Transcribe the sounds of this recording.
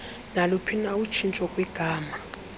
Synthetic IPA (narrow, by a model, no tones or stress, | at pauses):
nalupʰinaut͡ʃʰint͡ʃʼɔkʼwɛɡ̥ʱaːma